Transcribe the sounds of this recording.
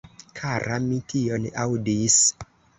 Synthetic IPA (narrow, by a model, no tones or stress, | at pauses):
kʰaɾamitʰionawdis